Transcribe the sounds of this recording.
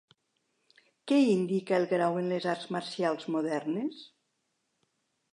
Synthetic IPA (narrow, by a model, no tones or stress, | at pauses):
kɛind̪ikaelˠɣɾawenlezaɾzmaɾsialˠzmuðɛɾnes